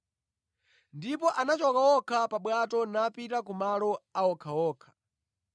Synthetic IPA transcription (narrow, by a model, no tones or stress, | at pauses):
ndipɔʔanat͡ʃɔkawɔkʰapaɓwatɔnapitak̬umalɔawɔkʰawɔːkʰḁ